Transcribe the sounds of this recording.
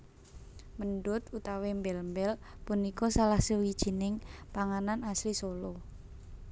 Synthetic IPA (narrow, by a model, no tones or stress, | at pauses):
mənɖʊt̪ut̪awembɛlmbɛlpunikɔsalahsəwid̥ʒ̥i̤nɪŋpaŋananaslisolo